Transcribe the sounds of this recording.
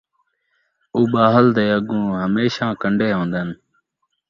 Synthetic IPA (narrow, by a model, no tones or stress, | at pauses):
uːɓaːɦəld̪eːəɡũːɦəmeːʃãːkəɳɖʱeːɦõːnd̪ən